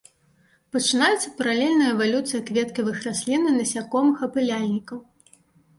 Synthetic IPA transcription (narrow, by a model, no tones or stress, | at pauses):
pɐt͡ʂɨn̪ajɛt̪sːɐpɐɾalʲɛlʲnɐjɐɛvalʲut̪sɨjɐkvʲɛt̪kʲɐvɨxrasʲlʲinɨnɐsʲakɔmɨxɐpɨlʲalʲnʲikɐw